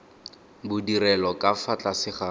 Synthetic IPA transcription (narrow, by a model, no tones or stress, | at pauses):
bʊdirɛlɔkafat͡ɬʼasɪχa